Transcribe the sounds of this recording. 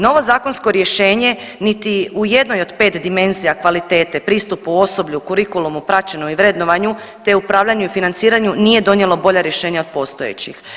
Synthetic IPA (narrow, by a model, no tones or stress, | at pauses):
no̞ʋo̞zaːko̞nsko̞ɾje̞ʃe̞ːɲe̞ | nit̪iuje̞d̪no̞jo̞d̪pe̞ːt̪d̪ime̞nzijakʋalit̪e̞ːt̪epɾiːst̪upuo̞so̞bʎukuɾikulˠumupɾat͡ɕenomiʋɾe̞d̪no̞ʋaɲu | t̪e̞upɾaːʋʎaɲuifinant̪siːɾaɲunije̞d̪o̞nje̞lo̞bo̞ʎaɾjeʃe̞ːɲao̞d̪̥̚po̞st̪o̞e̞̰t͡ɕix